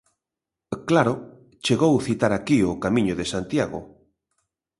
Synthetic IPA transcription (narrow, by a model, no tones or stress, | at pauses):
klaɾo | t͡ʃeɣowθit̪aɾakiʊkamĩɲʊðesant̪jaɣo̰